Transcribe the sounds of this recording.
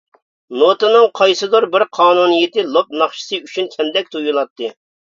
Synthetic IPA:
not̪ɨnɨŋqʰɑjsɨd̪oɾbɪɾqʰɑːnunɨjɪt̪ɪlˠop̚nɑχʃɨ̥sɨyt͡ʃʰynkʲʰɛmd̪ɛk̚ʲt̪ʰujulˠɑt̪ːɨ

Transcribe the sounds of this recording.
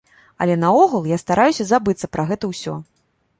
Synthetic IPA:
ɐ̰lʲɛnɐɔɣulˠjast̪aɾʔajusʲɐzabɨt̪sɐpɾaɣɛt̪ɐwsʲɔ̰

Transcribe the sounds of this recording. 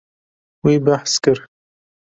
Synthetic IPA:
wiːbaħskɨɾ

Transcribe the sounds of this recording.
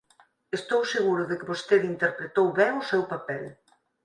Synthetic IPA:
est̪owseɣuɾʊðɪkɪβost̪eðint̪eɾpɾet̪owβɛŋʊsɛwpapɛl

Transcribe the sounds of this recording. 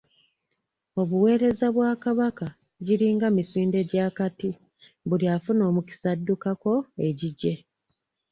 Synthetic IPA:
o̞βuwe̞ːɾe̞zaβwaːkaβaka | ɟiɾiːŋɡamisiːnde̞ɟaːkati | βuljafuno̞ːmuci̥sadːukako̞e̞ɟiɟːe̞

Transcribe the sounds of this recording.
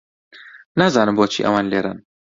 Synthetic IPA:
naːzaːnɨmboːt͡ʃʰḭːʔɐ̰waːnleːɾa̰n

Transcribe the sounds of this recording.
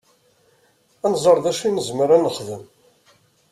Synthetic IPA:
ænzˤəɾˤðæʃinəzməɾænːəχðəm

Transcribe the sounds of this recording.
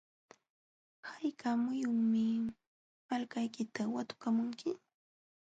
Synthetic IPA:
hajkʰamʊjʊmɪ | malkajkɪt̪awat̪ʊ̥kamʊŋkɪ

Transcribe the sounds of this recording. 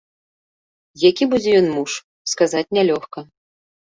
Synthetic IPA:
jakʲibud͡zʲɛjɔnmuʂ | skazat͡sʲnʲalʲɔxkɐ

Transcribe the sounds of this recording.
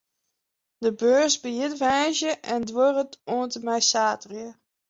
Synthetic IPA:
dəbøːsbəjɪtʋɛːzjəʔɛndworətoəntəmɛjsaːtrjə

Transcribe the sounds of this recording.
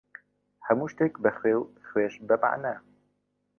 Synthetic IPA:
hɛmuːʃt̪eːkbɨxweːwxweːʃbɛma̰ʕnɛ

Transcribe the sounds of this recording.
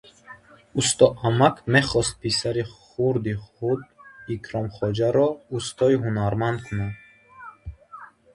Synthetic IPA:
ust̪ɔamakʰme̞χɔst̪̚pʰisaɾiχuɾd̪iχud̪̚ikʰɾɔmχɔd͡ʒaɾɔust̪ɔiɦunaɾmand̪kʰunad̪

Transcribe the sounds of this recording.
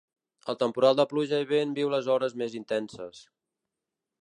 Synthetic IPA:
ə̰lˠt̪əmpuɾalˠd̪əpluʒəiβenbiwləzɔɾəzmezint̪ɛnsə̰s

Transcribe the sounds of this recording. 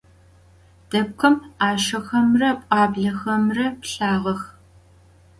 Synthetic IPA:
d̥ɐp̚kʷʰɐmaːʃɐxɐmrɐpʷʼɑːbɮɐxɐmrɐpɬaːʁɐx

